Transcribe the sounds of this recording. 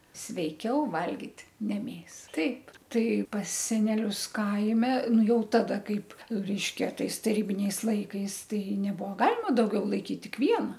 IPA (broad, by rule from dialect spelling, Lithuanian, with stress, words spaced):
sʲʋʲɛɪˈkʲɛʊ ˈʋɐlʲɡʲɪtʲ nʲɛ ˈmʲeːsɐ ˈtɐɪp ˈtɐɪ pɐs sʲɛnʲɛˈlʲʊs ˈkɐɪmʲɛ ˈnʊ ˈjɛʊ ˈtɑːdɐ ˈkɐɪp ˈrʲɛɪʃʲkʲɛ ˈtɐɪs tɐˈrʲiːbʲɪnʲɛɪs ˈlˠɐɪkɐɪs ˈtɐɪ nʲɛbuɔ ˈɡɑːlʲɪmɐ dɐʊˈɡʲɛʊ lˠɐɪˈkʲiːt ˈtʲɪk ˈʋʲiɛnɐ